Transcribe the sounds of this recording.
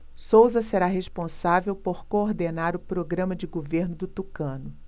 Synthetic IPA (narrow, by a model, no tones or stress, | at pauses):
sowzɐseɾaɦespõsavewpoɾkoːɾd̪enaɾʊpɾoɡɾɐ̃mɐd͡ʒɪɡoveɾnʊd̪ʊt̪ukɐ̃nʊ